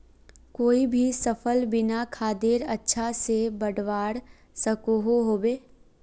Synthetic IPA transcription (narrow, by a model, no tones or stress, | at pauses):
koːibʱisəfʰəlbɪnakʰaːd̪eɾɐtːʃʰasebɐɽʋaːɽ | sɐkoɦoɦoːbeː